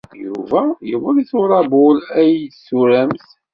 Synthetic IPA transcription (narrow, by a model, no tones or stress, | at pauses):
jṵvæjəwəɾiθʊɾˤɑbʊlæjsuɾæmθ